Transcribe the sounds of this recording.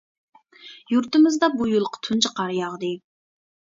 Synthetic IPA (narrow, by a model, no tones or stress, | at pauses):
juɾt̪ɨmɪzd̪ɑbujulˠqʰə̥t̪ʰunt͡ʃʰəqʰɑɾjɑʁd̪ɨ